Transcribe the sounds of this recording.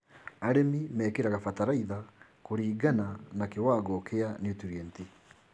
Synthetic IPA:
aɾemimɛːkeɾaɣafataɾaiða | koɾiːɡananakewaːɡɔkʰeanjutuɾiɛnti

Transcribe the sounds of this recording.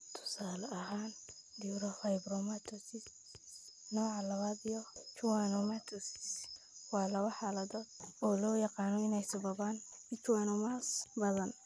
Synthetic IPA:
t̪ʰʊ̥saːlɐʔɐɦaːnd̪iɾɔfɐjbɾɔmat̪ʰɔsɪ | nɔːʕalɐβad̪ijɔt͡ʃuwanɔmat̪ʰɔsɪs | wɑːlɐβɐħaːlɐd̪ɔːd̪̚ɔːlɔːjɑqɑːnɔɪnɛjsɐβɐβaːnɪt͡ʃ̪wanɔmasbɐðɐn

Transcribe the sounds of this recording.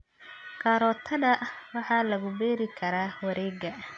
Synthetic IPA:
kʰaːɾɔːt̪ʰɐðɐwɑħɑːlɐɣʊbɛːɾɪkʰɐɾaːwɐɾɛːɡɐ

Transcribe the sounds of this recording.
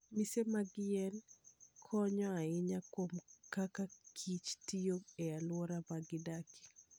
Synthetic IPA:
misemaɡɪɛnkʰɔɲɔaɪɲakomkakakʰit͡ʃtijoɛalwɔɾamaɡɪdaki̥

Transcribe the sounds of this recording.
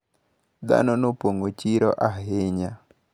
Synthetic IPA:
d̪a̰nɔnopoŋɡot͡ʃiɾɔʔaɦɪɲa

